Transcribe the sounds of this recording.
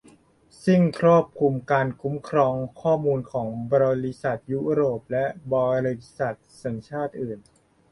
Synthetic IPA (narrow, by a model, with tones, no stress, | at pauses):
si˥˩ŋkʰɾuː˥˩p̚kʰu˧mkaː˧nkʰu˦˥mkʰɾɔː˧ŋkʰɔː˥˩muː˧nkʰɔː˩˦ŋbɔː˧ɾi˦˥sa˨˩t̪̚juː˦˥ɾoː˨˩p̚lɛ˦˥ʔbɔː˧ɾi˦˧˥sa˨˩t̪̚sa˩˦ŋt͡ɕʰaː˥˩t̪̚ʔɯː˨˩n